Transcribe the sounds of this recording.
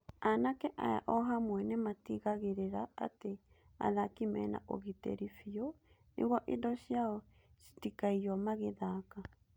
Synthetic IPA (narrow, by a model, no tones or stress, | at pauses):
anakɛʔa̰ja̰ʔɔɦamwɛnematiɣaɣeɾeɾa̰ːte | a̰ðakimɛ̰na̰ʔo̰ɣitḛɾifiɔ | nʔḛɣwɔʔedɔɕjaɔ | si̥tikaiɔmaɣeðaːka